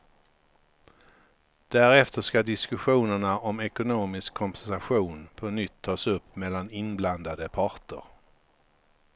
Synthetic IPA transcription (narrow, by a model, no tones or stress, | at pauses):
d̪̥æɾɛft̪əʂkad̪ɪskɵɧuːnəɳaʔɔmɛkʊnoːmɪskʰːɔmpʰɛnsaɧuːnpʰɔnʏt̪ʰːɑːsɵpːmɛlːanɪnbland̪ad̪əpʰɑɾʈə̰ɾ